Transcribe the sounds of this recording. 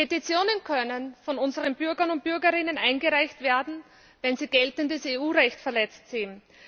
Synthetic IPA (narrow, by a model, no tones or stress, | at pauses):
petit͡sjoːnənkʰœnənfɔnʊnzəʁənb̥ʏɐɡɐnʊnt̚b̥ʏɐɡɐʁɪnənʔaɪnɡəʁaɪçtv̥eːɐdn̩ | vɛnziːɡ̥ɛltəndəseuːʁɛçtfɛɐlɛt͡stsɪːn